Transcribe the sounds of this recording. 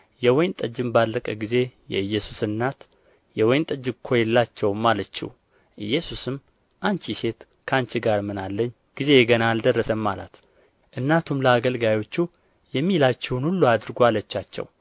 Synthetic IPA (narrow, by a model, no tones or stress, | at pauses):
jɛwɔjnt̪ʼəd͡ʒɨmbalːəkʼəɡize̞jɛ̰ɨjːɛsusɨnːat̪ | jɛwɔjnt̪ʼəd͡ʒɨkʰo̞jɛlːat͡ʃːɛwmːalət͡ʃːḭw | ʔɨjːɛsusɨm | ʔant͡ʃise̞t̪ | kʰant͡ʃiɡaɾmɨnalːəɲː | ɡ̥ize̞jɛɡənaːld̪ərːəsəmːala̰t̪ | ʔɨnːat̪ʰumləaɡəlɡajo̞t͡ʃːu | jɛmːilat͡ʃːɛwnhulːuad̪ɨɾɡoalət͡ʃːat͡ʃːɛ̰w